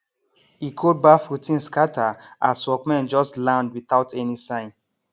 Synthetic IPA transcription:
ikʰɔd̚bafutʰĩnskatʰaasɔkmɛ̃nd͡ʒɔstlãndwitaʊtʰɛnisãɪ̃n

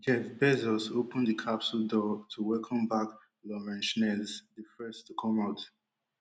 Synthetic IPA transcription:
ɡɛ̃vbɛzɔsopə̃ndəkʰapsuldɔtʰuwɛkʰə̃mbak | lɔɹɛ̃nʃnɛzdifɛstʰukʰɔ̃maʊt

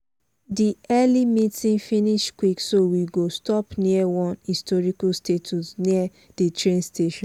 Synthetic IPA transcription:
diɛlimitĩŋfĩniʃkwiksowiɡostɔpniəwɔ̃nhistɔɹikastetʰusniə | d̥itɹẽnsteʃɔ̃

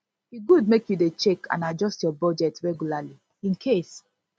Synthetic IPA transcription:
iɡud̚mekjudet͡ʃɛkʰã̰nad͡ʒɔstjɔbɔd͡ʒɛtɹɛɡjulali | ĩnkʰes

